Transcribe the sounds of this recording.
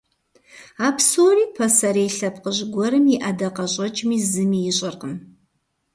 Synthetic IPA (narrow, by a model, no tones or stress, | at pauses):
aːpʰsoːriːpʰɐsɐɾejɬɐp̚qəʑɡʷɔɾɨmjiʔɐdɐqɐɕʼɐt͡ʃʼmiːzɨmiːjɪɕʼɪrqəm